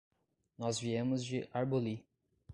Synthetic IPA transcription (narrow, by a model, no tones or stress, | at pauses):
nɔzviẽmʊzd͡ʒɪʔaɾboli